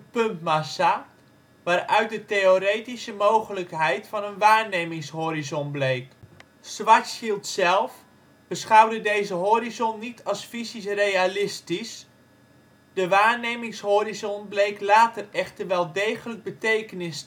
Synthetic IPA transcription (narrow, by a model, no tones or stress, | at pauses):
əpɵmtmasa | ʋaːrœɥt̚dəteoɾeːtisəmoːɣələkɦɛjtfɑnənʋaːrnejmɪŋshoːɾizɔnblejk | sʋatsilˠtsɛlˠf | b̥əsχawdədeːzəɦoːɾizɔnːitʰɑsfisisrejalɪstis | d̥əʋaːɹnejmɪŋshoːrizɔnblejklaːtərɛxtəʋɛlˠdejɣələk̚bətejkənɪs